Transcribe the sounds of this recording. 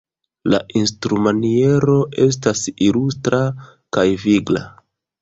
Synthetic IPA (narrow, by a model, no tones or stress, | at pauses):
laʔinstɾumanie̞ɾo̞ʔe̞s̬tasilustɾa | kajviɡla̰